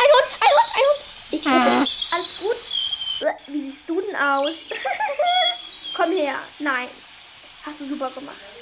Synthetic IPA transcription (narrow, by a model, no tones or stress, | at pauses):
ʔaɪdontʔaɪdontaɪdoːn | ʔɪç̥ɪdəɛʔaləsɡ̥uːt | viːziːstd̥uːdɛnʔaʊs | kʰɔmheːɐnaɪn | hastd̥uːzuːpɐɡəma̰χt